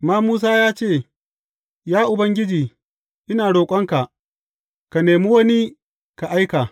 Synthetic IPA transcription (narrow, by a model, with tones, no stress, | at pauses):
maː˦muː˦s̬aː˦jaː˦t͡ʃeː˦˨ | jaː˦ʔʊ˨bɐ˦ŋɡʲɪ˦d͡ʒiː˨ | ʔɪ˦naː˨ɽoː˨kʷʼɐ˦ŋka˨ʔ | ka˨neː˨mi˦wɐ˦ni˦ | ka˨ʔa˦jka˨